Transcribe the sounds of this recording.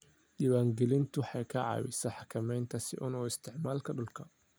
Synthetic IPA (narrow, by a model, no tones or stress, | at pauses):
ɗiːwaːŋɡɛlɪnt̪ʰʊħɑjkʰɐʕɑ̰ːwɪ̰sɐħɑkʰɐmɛjnt̪ʰɐsɪ̰ʔʊnɔːɪst̪ʰɪʕmaːlkʰɐɖʊlkʰɐ